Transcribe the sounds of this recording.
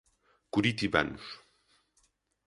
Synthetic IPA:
kuɾit̪iba̰nus

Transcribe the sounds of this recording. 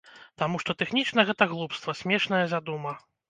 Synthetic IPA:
t̪amuʂt̪ɔt̪ɛxnʲit͡ʂnɐɣɛt̪ɐɣlˠupst̪vɐsʲmʲɛʂnɐjɐzʲad̪umɐ

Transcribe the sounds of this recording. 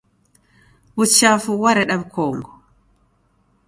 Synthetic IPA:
but͡ʃːafuwaɾɛɗabkʰɔːŋɡɔ

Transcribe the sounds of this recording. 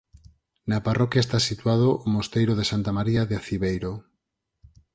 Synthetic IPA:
naparɔkjaest̪asit̪uwað̞oʔːmost̪ejɾoð̞esant̪amaɾiaðeaθiβejɾo

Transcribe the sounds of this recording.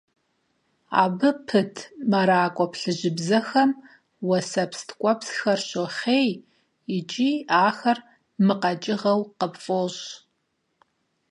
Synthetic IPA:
a̰ːbɨpʰɨtʰmɐɾaːkʷʼɔpɬɨʑɪbzɐxɐm | wɐsɐpstʰkʷʼɔpsxɐrɕoχeːj | ɪt͡ʃʼiːaːxɐr | mɨqɐt͡ʃʼɪʁɐwqəpfʼoɕ

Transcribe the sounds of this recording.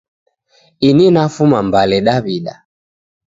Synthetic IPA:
ininafumambalɛɗaβiɗa̰

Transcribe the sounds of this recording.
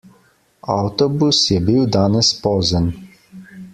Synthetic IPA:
a̰wt̪ɔbusjɛbiwd̪aːnɛspɔːzən

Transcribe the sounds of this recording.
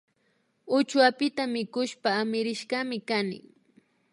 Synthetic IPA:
ʊt͡ʃwapɪt̪amɪkʊʃpaːmɪɾɪʃɢɑmɪkanɪ̰

